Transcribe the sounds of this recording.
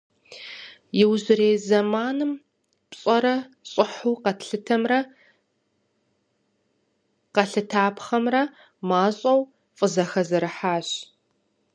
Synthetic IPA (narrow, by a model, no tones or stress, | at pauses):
jɪwʑɨɾeːzɐmaːnɨm | pɕʼɐɾɐɕʼɪħuːqɐtɬɨtʰɐmrɐ | qɐɬɨtʰaːpχɐmrɐ | maːɕʼɐw | fʼɨzɐxɐzɐɾɨħaːɕ